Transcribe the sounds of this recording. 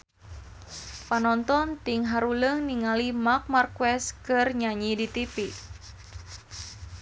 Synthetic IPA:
panɔnt̪ɔnt̪iŋɦaɾuləŋniŋalimak̚markwɛskɨrɲaɲidit̪ipi

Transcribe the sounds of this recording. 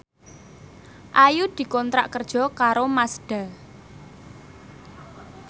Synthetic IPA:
ʔajud̪̥i̤kɔnt̪ɾaʔkərd̥ʒ̥ɔ̤kaɾomasɖ̥a̤

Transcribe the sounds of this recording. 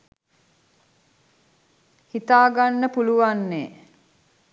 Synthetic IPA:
hit̪aːɡanːəpuluʋanːeː

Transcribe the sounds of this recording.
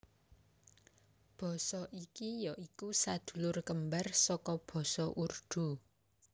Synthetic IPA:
b̥ɔ̤sɔʔikijɔʔikusad̪̥ṳlʊrkəmbarsɔkɔb̥ɔ̤sɔʔurd̪̥ṳ

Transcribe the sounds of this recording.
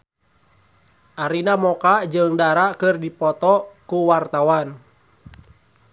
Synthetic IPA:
ʔaɾinamɔkad͡ʒɨŋdaɾakɨrdipɔt̪ɔkuwart̪awan

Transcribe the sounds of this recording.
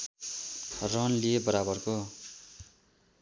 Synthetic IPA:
rʌnliebʌɾabʌrko

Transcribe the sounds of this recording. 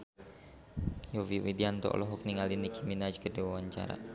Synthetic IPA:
jowiwid̪iant̪ɔ̰lɔɦukniŋalinikiminad͡ʒkədewawaɲt͡ʃa̰ɾa̰

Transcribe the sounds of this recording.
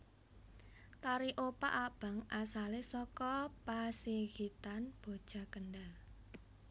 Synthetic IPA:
t̪aɾiʔopa̰ʔab̥a̤ŋʔasalesɔkɔpaseɣit̪anb̥o̤d̥ʒ̥a̤kənɖal

